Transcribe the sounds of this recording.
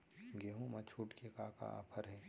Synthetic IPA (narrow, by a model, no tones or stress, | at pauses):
ɡeːɦũmɐt͡ʃʰuːʈkekaːka̰ʔa̰ːpʰəɾɦɛ̃ː